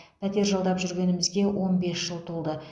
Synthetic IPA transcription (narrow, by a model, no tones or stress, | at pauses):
pʰæt̪e̞ɾʒɑlˠd̪ɑpʒʏɾɡʲe̞nɪmɪzɡʲe̞wo̞nbe̞sʒəlˠt̪ʰulˠd̪ə